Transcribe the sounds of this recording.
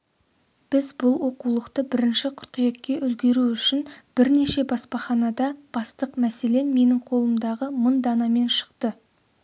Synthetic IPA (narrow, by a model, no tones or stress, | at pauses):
b̥ɪzbʊlˠwo̞qulˠəqt̪əbɪɾɪnʃɪqʰʊ̥ɾqijekʲːe̞ʔʏlɡʲe̞ɾuʏʃɪnb̥ɪɾne̞ʃe̞bɑspɑχɑnɑd̪ɑb̥ɑst̪əqmæse̞le̞nme̞nɪŋqʰo̞lˠəmd̪ɑʁəmənd̪ɑnɑme̞nʃə̥qt̪ə